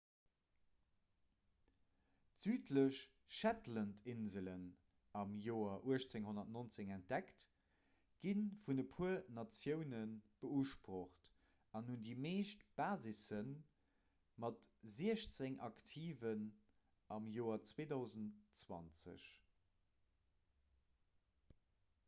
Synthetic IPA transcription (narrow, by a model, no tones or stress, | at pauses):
z̥yːtʰləɕ | ʃætləntʰɪnzələn | ɑmjoːɐʔuəʃt͡seŋhonɐtnont͡seŋænt̚d̥ækt | ɡ̥infunəpʰuənɑt͡sjəʊnənb̥əuʃpʁoχt | ɑnhundiːmeːʃtb̥aːzisən | mɑtziəɕt͡seŋʔɑktʰiːvən | ʔɑmjoːɐt͡sweːdɑʊzəntt͡swɑ̰nt͡sə̰ɕ